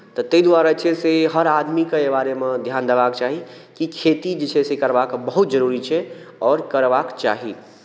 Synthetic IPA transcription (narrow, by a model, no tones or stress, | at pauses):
t̪ɔt̪əid̪waːɾat͡ʃʰeseɦəɾad̪mikeebaːɾemẽd̪ʱjaːnd̪ebakt͡ʃaːɦi | kikʰeːt̪id͡ʒet͡ʃʰɛsekəɾbakbəɦut̪d͡ʒəɾuɾit͡ʃʰɛ | ɔːɾkəɾbakt͡ʃa̰ːɦi